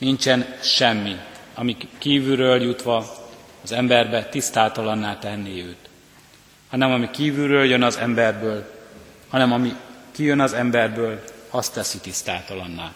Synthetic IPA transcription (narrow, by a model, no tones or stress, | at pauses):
nint͡ʃɛnʃɛmːiɒmikiːvyɾøːljut̪ʋɒɒzɛmbɛrbɛt̪ist̪aːt̪ɒlɒnːaːt̪ɛnːiøːt̪ | hɒnɛmɒmikiːvyrøːljønɒzɛmbɛrbøːlhɒnɛmɒmikijønɒzɛmbɛrbøːlɒst̪ɛsit̪ist̪a̰ːt̪ɒlɒnːa̰ːl